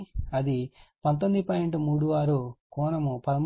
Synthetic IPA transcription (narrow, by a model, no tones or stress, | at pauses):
ɐd̪ipɐnt̪̬ond̪ipɐjeɳʈumuːɽuʋaːɾukɔːnɐmupɐlɐm